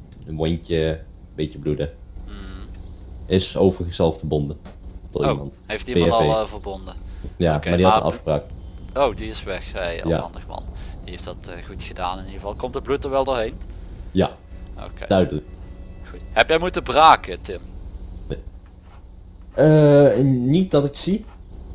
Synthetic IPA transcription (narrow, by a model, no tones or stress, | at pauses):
ənʋontəbetəbludəm̩ | ɪsowvərəxəsɛlˠfəbɔndətɔtmɑntɦejftimetlˠvəɹbɔndəjamaːdiɑə̰nɑ̰fxəpraːkowdiɪsʋɛxɛjja̰ɑ̰ndəχmɑ̰nd̥iɦejfdɑtːχutxədaːnɪniəvɑlˠkɔmtdəblut̚əɹʋɛlˠdoːɹɦejnja̰ | o̰kedœɥdələk̚xutɦɛpjɛmutəbraːkətɪmne | ə | nit̚dɑtɪksi